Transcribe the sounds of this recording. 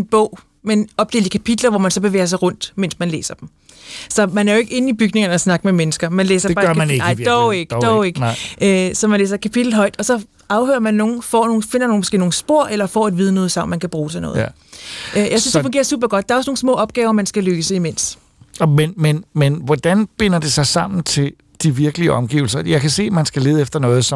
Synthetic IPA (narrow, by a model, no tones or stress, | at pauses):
enb̥ɔ̰ʊ̰ | menɒ̽b̥d̥e̝̰ːld̥ikʰæpʰid̥lɐʋɒmænsɒ̽b̥e̝ʋḛːɐs̬ɑ̈ɪʁɔ̽n̰d̥men̰smænlḛːsɐd̥m | sɒ̽mænæɐjoe̝ɡ̥əe̝n̩ib̥yɡ̥ne̝ŋɐnəɒsnɑ̈ɡ̥əmemenəsɡ̥ɐmænlḛːsɐ̥ɑ̈ɡɑɪ̰d̥ɔʊeɡ̥d̥ɔʊeɡ̥ʔøsɒ̽mænlḛːsɐkʰæpʰid̥l̩ɦɒ̽ɪd̥ɒ̽sɒ̽ | ɑ̈ʊhøːɐmænːo̝ːn̩fɒ̰ːno̝ːn̩fe̝n̰ɐno̝ːn̩mɔsɡ̥e̝̰ːnoːn̩sb̥o̝ɐ̰ʔelɐfɒ̰ːæd̥ʋiːð̞ˠənɔ̽ːð̞̩ˠsɑ̈m̰nmænkʰæb̥ʁuːsʰɑnɔ̽ːð̩̰ | jɑɪsynsd̥fɔŋɡḛɐsṵːb̥ɐɡ̥ɒ̽d̥d̥ɑ̈ɐɒsno̝ːn̩smɔ̰̽ːɒ̽b̥̚ɡ̥ɛːʊɐmænsɡ̥æløːsəimen̰s | menmenmenʋɒd̥ænb̥e̝n̰ɐd̥e̝sɑ̈ɪsɑ̈m̰n̩t͡sʰe̝l | d̥iʋiɐɡ̥əliəɒmɡ̥ḭːʊl̩sɐjɑ̈ɪkʰæse̝̰ːmænsɡ̥æle̝ːð̞̩ˠefd̥ɐnɔ̽ːð̩ˠsɒ